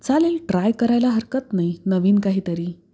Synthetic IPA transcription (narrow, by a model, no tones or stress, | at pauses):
t͡saleːlʈɾajkəɾajlaɦəɾkət̪nainəʋiːnkaɦiːt̪əɾiː